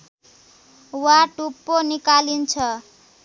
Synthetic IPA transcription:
waʈupːonikalint͡sʰʌ

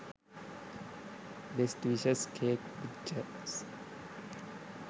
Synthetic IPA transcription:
lesʈʋiʃəskʰeːk̚pit͡ʃːə | s

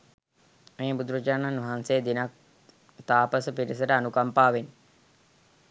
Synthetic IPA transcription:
meːbud̪uɾəd͡ʒaːnanʋɐɦanseːd̪inak̚ | t̪aːpəsəpiɾisəʈəanukampaːʋen

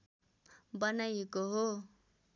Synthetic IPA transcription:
bʌnajekoɦo

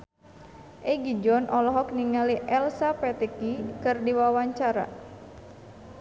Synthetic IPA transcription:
ʔeɡid͡ʒɔnʔɔlɔɦɔk̚niŋaliʔɛlsapɛt̪ekikɨrdiwawaɲt͡ʃaɾa̰

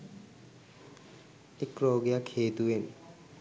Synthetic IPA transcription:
ekɾɔːɡjakʰeːt̪uen

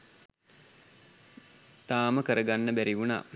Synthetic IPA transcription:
t̪aːməkəɾəɡanːəbæɾiʋuna̰ː

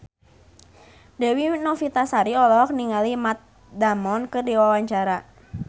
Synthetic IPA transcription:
dɛwinɔfit̪asaɾiɔlɔk̚niŋalimat̪̚ | damɔnkɨrdiwawaɲt͡ʃaɾa

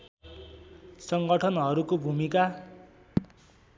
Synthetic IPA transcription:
sʌŋɡʌʈʰʌnɦʌɾukobʱumika

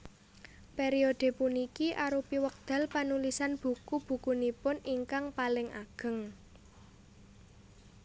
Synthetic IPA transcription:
peɾiod̪̥e̤punikiʔaɾupiwək̚d̪̥a̤lpanulisanb̥ṳkub̥ṳkunipʊniŋkaŋpalɪŋʔa̰ɡ̥ə̤ŋ

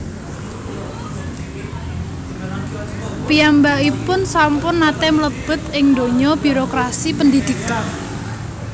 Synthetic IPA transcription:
piambaipʊnsampʊnːat̪ɛmləb̥ə̤t̪ɪŋnd̪o̤ɲɔb̥i̤ɾokɾasipənd̪id̪̥i̤kan

